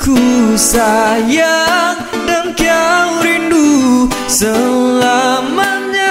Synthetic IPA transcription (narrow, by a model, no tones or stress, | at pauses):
kʰusajaŋ | dankiaɾindusəlamaɲa